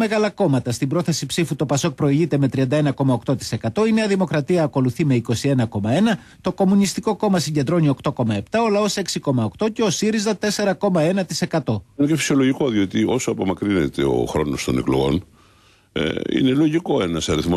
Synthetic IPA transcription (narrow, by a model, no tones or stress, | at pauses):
me̞ɣɐlɐko̞mɐt̪ɐst̪ibɾo̞θe̞sipsifut̪o̞pɐso̞k̚pɾo̞iʝit̪e̞me̞t̪ɾiɐnd̪ɐe̞nɐko̞mɐokt̪o̞t̪i̥se̞kɐt̪o̞ine̞ɐðimo̞kɾɐt̪iɐːko̞luθime̞iko̞sienɐko̞mɐe̞nɐ | t̪o̞ko̞munist̪iko̞ko̞mɐsiɲɟe̞nd̪ɾo̞nio̞kt̪o̞ko̞mɐe̞pt̪ɐo̞lɐo̞se̞ksiko̞mɐo̞kt̪o̞ce̞o̞siɾizðɐt̪e̞se̞ɾɐko̞mɐe̞nɐt̪i̥se̞kɐt̪o̞necefi̥sio̞lo̞ʝiko̞ðio̞t̪io̞soɐpo̞mɐkɾinet̪e̞o̰xɾo̞no̞st̪o̞neklo̰ɣo̞̰n̰ | ḭne̞lo̞ʝiko̞e̞nɐsɐɾiθmo